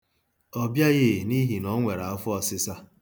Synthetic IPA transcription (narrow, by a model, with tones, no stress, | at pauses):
ɔ˦bja˦ɣɪ˦˨ni˦ɦi˨nɔ˨˦ŋʷe˨ɾa˨˦fʊ˦ɔ˨sɪ˦sa˦